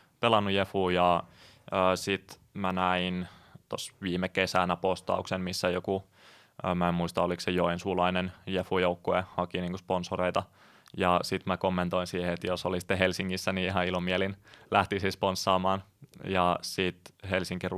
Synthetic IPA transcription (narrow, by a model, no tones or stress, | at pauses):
pelɑnːujefuːjɑ | əːsit̪ | mænæint̪o̰sʋiːmekesænæpost̪ɑ̰uksemmisːæjoku | mæemmuist̪ɑoliksejoensulɑinenjefujoukːoehɑkiniːŋkosponsoreit̪ɑ | jɑsit̪mækomːent̪oinsiːheet̪josolisi̥t̪ːeɦelsiŋːisːæniiɦɑilomielinlæht̪isisponsːɑːmɑːn | jɑsit̪helsiŋkir